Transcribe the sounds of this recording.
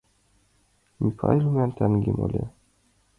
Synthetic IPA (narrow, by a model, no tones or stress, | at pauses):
mifɑ̰ilʲmænt̪ʰænɡʲimo̰lʲe